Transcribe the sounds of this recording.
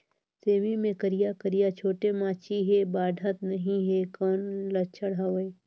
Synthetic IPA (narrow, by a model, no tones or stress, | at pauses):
seːmimẽkəɾijakəɾijat͡ʃʰoːʈemãːt͡ʃiɦebaːɖʱət̪nɐɦĩɦekɔːnlɐt͡ʃʰəɽɦaʋe